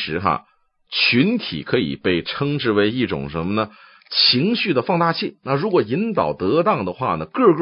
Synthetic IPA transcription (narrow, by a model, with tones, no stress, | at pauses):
ʂɻ̩˧˥xa̰˧ | t͡ɕʰy˧˥nt̪ʰḭ˨˩kʰɤ˧˥ḭ˨˩pe˥˩ɪʈ͡ʂʰɤ˥ŋʈ͡ʂɻ̩˥˩we˧˥ɪi˥˩ʈ͡ʂʊ̰˨˩ŋʂə˧˥nmə˧nə˨ | t͡ɕʰi˧˥ŋɕy˥˩d̪ə˩fɑ˥˧ŋt̪a˥˧t͡ɕʰi˥˩na˥˩ɻu˧˥kwɔ˨˩i˧˥nt̪ɑ˨˩ʊt̪ɤ˧˥t̪ɑ˥˩ŋd̪ə˩xwa̰˥˩nə˩kɤ˥˧k